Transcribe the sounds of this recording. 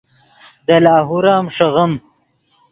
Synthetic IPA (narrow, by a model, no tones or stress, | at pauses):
d̪ɐlaːɦuɾaːmʂɐɣɐm